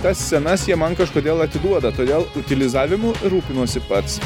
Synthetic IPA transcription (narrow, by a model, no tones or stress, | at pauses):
t̪ɐssʲɛnɐsjiɛmɐnkɐʃkoːd̪ʲeːlˠɐt̪ʲɪd̪uɔd̪ɐt̪oːd̪ʲeːlˠʊt̪ʲɪlʲɪzɑːʋʲɪmuːɪɾuːpʲɪnuɔsʲɪpɐt̪s